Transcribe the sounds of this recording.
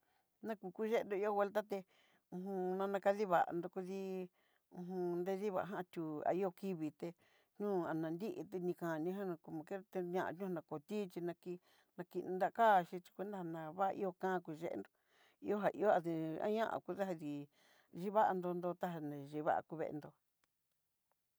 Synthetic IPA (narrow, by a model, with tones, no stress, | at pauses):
nã˦ku˧ku˦ʒe˦e˧nd̪o˧i˦o˦βwe˧lt̪a˦t̪e˧ | ũ˧ɦũ˧nã˧nã˧ka˧ði˦βa˨ʔa̰˨nd̪o˧ku˧ði˦ | ũ˧ɦũ˧nd̪e˦˧ði˦βa̰˨˧˨ɦã˦˧t̪ʲu˧a̰˨i˦o˧ki˦βi˨t̪e˧ | ɲũː˦˧a˨nã˨˧nd̪i˦ʔḭ˧t̪e˧nĩ˧kã˨nĩ˧˦ɦã˦nã˧ku˧mã˨˧ke˦˧t̪e˧ɲã˧ʔa̰˧˨ɲũ˦hã˧nã˧ko˨t̪i˦t͡ʃi˧nã˧ki˧ | nã˧ki˧nũ˧nd̪a˦˧kaː˦˨˧ʃi˧t͡ʃi̥˧kʷe˧˦nd̪a˦ha˧˨nã˧βa˦ʔʔḭ˦o˧kãː˦˧ku˧ʒḛ˧˦ʔḛ˧nd̪o˧ | ḭ˧˦o˦ɦa˨ʔḭ˧˦o˦a˧ði˧ã̰˦ɲã˦ʔã̰˧˨ku˧ða˦ɦa˧ði˨ | ʒi˦βa˦ʔa˧nd̪o˧nd̪o˧t̪a˦ɦa˧nẽ˨ʒi˧˨βa̰˦ʔa̰˧ku˧βḛ˧nd̪o˧